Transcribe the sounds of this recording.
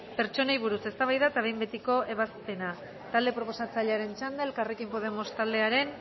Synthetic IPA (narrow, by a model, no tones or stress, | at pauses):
pe̞ɾt͡ʃo̞najβ̞uɾuse̞st̪aβ̞ajðaet̪aβe̞jmbe̞t̪iko̞ʔe̞β̞aspe̞na | t̪ald̪e̞pɾo̞po̞sat͡saʎeaɾe̞nt͡ʃand̪ae̞lkarekimpo̞ð̞e̞mo̞st̪ald̪e̞aɾe̞n